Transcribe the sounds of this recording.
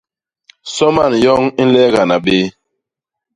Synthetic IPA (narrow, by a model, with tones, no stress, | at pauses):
sɔ˦ma˦˨njɔ˦ŋi˦n̩˦lɛ˦ɣa˨na˨ɓe˦